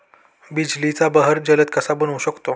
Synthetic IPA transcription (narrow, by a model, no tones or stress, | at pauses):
bid͡ʑlit͡sabəɦəɾd͡ʑələt̪̚kəsabənuɕəkt̪o